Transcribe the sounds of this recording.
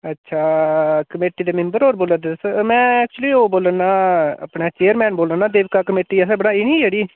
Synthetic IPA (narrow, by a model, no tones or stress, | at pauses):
ətːʃʰaːkəmeːʈiːd̪eːmɪ̃mbəɾɦoːɾboːlət̪səmɛ̃ːɛːk̚t͡ʃʊliːoːboːlənːaːə̰pɳeːt͡ʃeːəɾmɛ̃ːnboːlənːaːd̪eːʋkaːkəmeːʈiːɛsɛːbəɽaːɪnĩːd͡ʒeɽiː